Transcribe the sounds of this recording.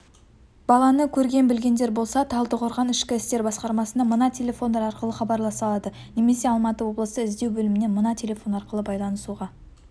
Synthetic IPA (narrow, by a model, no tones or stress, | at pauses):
b̥ɑlˠɑnəkʲʰɵɾɡʲe̞nbɪlɡʲe̞nd̪e̞ɾbo̞lˠsɑt̪ʰɑlˠt̪əqʰʊɾʁɑnɪʃkʲɪɪst̪e̞ɾbɑsqɑɾmɑsənɑmənɑt̪ʲʰe̞lʲe̞fo̞nd̪ɑɾɑɾqəlˠəχɑbɑɾlˠɑsɑlˠɑd̪ə | ne̞me̞se̞ɑlˠmɑt̪əwo̞blˠəsəɪzd̪e̞wbɵlɪmɪne̞mənɑt̪ʲʰe̞lʲe̞fo̞nɑɾqəlˠəbɑjlˠɑnəsuʁɑ